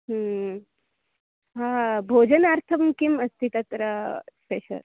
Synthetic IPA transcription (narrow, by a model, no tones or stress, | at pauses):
ɦə | ɦãbʱoːd͡ʑənaɾt̪ʰɐmkimɐst̪ʰit̪ɐt̪ɾɐspeɕɐ̰ɾ